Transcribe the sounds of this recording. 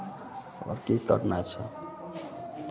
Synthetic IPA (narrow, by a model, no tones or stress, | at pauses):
ə̰ɾkekə̰ɾnat͡ʃʰʌ